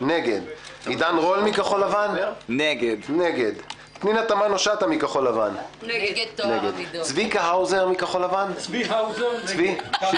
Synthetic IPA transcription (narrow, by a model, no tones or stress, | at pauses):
neɡed̪id̪anʁolmikaχolavanneɡedneɡed̪ | tninat̪amanoʃat̪amikaχo̞lavan | neɡed̪svikaɦawzeʁmikaχolavanzt͡svi